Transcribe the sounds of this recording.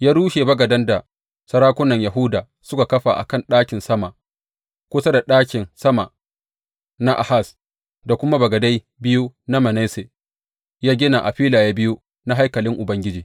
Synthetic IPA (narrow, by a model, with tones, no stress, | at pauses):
jaː˦ɽuː˦ʃe˨bɐ˦ɡɐ˨dɐ˦nda˨ | sɐ˦ɽaː˦kʷʊ˦nɐ˨ɲja˨ɦʊ˦daː˨ | sʊ˦ka˨kɐ˦ɸa̰˨ʔa̰˨kɐ˦˨nɗaː˦kʲɪ˨nsɐ˦ma˨ | kʷʊ˦sa˦da˨ɗaː˦kʲɪ˨nsɐ˦ma˨ | na˦ʔa̰˨ha˦˨s | da˨kʷʊ˦ma˦bɐ˨ɡɐ˨da˦j | bɪ˦ju˦na˦mɐ˨na˦se˨ | jaː˦ɡʲɪ˦na˨ʔa˨ɸiː˦laː˨jaː˦bɪ˦ju˦ | na˦ɦa˦jkɐ˨lɪ˦ŋʔʊ˨bɐ˦ŋɡʲɪ˦d͡ʒiː˨